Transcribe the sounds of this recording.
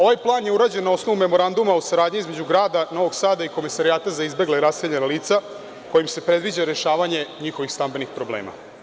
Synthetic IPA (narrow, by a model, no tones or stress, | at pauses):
o̞ʋajplˠaːnje̞uɾaːd͡ʑenːao̞snoʋume̞mo̞ɾand̪umausaɾaːd̪ɲiizme̞d͡ʑuɡɾaːd̪ano̞ʋoɡsaːd̪aiko̞mesaɾiaːt̪azaizbe̞ɡleɾaseʎenaliːt̪sa | ko̞jimse̞pɾe̞d̪ʋid͡ʑaɾe̞ʃaːʋaɲe̞ɲixoʋixst̪ambe̞nixpɾoblḛːma̰